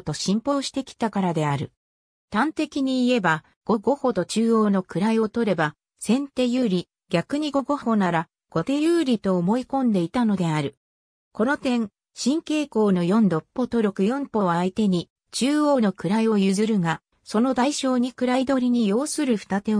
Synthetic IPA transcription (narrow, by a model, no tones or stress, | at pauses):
t̪o̞ɕĩmpo̞ːɕi̥t̪e̞kʲi̥t̪akaɾad̪e̞aɾɯ̟̰ | t̪ãnt̪e̞kʲiɲ̟iːe̞ba | ɡ̥o̞ɡo̞ho̞t̪o̞t͡ɕɨːoːno̞kɯ̟ɾaio̞t̪o̞ɾe̞ba | sẽ̞nt̪e̞jɯːɾʲi | ɡʲakɯ̟ɲ̟iɡo̞ɡo̞ho̞naɾa | ɡ̥o̞t̪e̞jɯ̟ːɾʲit̪o̞ːmo̞ikõ̞nd̪e̞it̪ano̞d̪e̞aɾɯ̟ | ko̞no̞t̪ẽ̞ŋ | ɕĩŋke̞ːko̞ːno̞jõ̞nd̪o̞pːo̞t̪o̞ɾʲo̞kɯ̟jõ̞mpo̞βaːit̪e̞ɲ̟i | t͡ɕɨːo̞ːno̞kɯ̟ɾaio̞jɯzɨɾɯ̟ŋa | so̞no̞d̪aiɕo̞ːɲ̟ikɯ̟ɾaid̪o̞ɾʲiɲ̟ijo̞ːsɨɾɯɸɯ̟̥t̪at̪e̞